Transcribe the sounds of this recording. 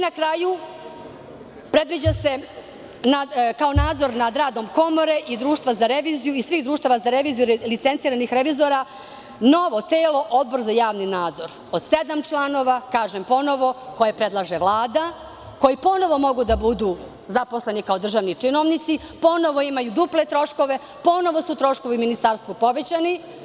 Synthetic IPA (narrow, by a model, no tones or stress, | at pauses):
inakɾaju | pɾe̞d̪ʋid͡ʑase̞ | nakaonaːd̪zo̞ɾnad̪ɾaːd̪o̞mko̞moɾeʔid̪ɾuːʃt̪ʋazaɾeʋizijuisʋiːxd̪ɾuːʃt̪aːʋazaɾeʋiːzijulit̪se̞nt̪siːɾanixɾeʋiːzo̞ɾa | no̞ʋo̞t̪eːlˠo̞ʔod̪̚br̩zajaːʋninaːd̪zo̞ɾ | od̪̥sed̪amt͡ʂlˠanoʋakaːʒempo̞no̞ʋo̞ko̞jepɾe̞d̪lˠaʒeʋlˠaːd̪a | ko̞jipo̞no̞ʋo̞mo̞ɡud̪abud̪uː | zapo̞slˠe̞nikao̞d̪r̩ʒaːʋnit͡ʂinoʋnit̪si | po̞no̞ʋoimajud̪uple̞t̪ɾo̞ʃkoʋe̞ | po̞no̞ʋo̞suut̪ɾo̞ʃko̞ʋiminist̪aːɾst̪vupo̞ʋet͡ɕani